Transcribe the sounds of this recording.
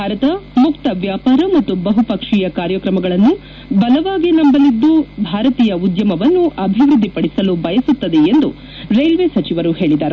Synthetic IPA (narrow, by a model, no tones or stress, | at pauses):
bʱaːɾɐt̪ɐmukt̪ɐʋjaːpaːɾɐmɐt̪ːubɐɦupɐkʂiːjɐkaːɾjɐkɾɐmɐɡɐɭɐnːu | bɐlɐʋaːɡinɐmbɐlid̪ːubʱaːɾɐt̪iːjɐud̪jɐmɐʋɐnːuʔɐbʱiʋɾud̪ːipɐɽisɐlubɐjɐsut̪ːɐd̪eend̪u | ɾejlʋesɐt͡ʃiʋɐɾuhe̞ːɭid̪aːɾe